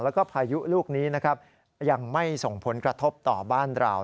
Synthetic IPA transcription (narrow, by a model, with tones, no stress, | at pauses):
lɛː˦˥wkɔː˥˩pʰaː˧ju˦˥luː˥˩k̚niː˦˥na˦˥kʰa˦˥p̚ | ja˧ŋma˥˩jso˨˩ŋpʰo˩˦nkɾa˧t̪ʰo˦˥p̚t̪ɔ̰ː˨˩baː˥˩nɾa̰˧w